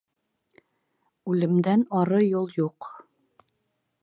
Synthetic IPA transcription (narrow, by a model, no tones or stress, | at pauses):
ʉlɘ̆md̪ænɑɾɤjulˠjuq